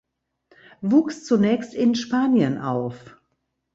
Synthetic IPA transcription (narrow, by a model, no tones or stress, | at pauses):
vuːkst͡sunɛːçstɪnʃpaːnjənʔa̰ʊf